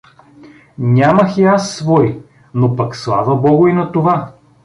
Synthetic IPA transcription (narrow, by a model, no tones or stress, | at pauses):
nʲamɐxiasːvɔi | nopɐkslˠa̰vɐbɔɡʊinɐt̪ova